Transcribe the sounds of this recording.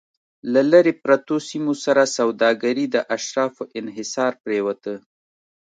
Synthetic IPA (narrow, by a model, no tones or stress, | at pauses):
lalaɾepɾat̪osimosaɾasawd̪ɑɡaɾid̪əʔaʃɾɑfoʔɪnɦɪsɑɾpɾewat̪ə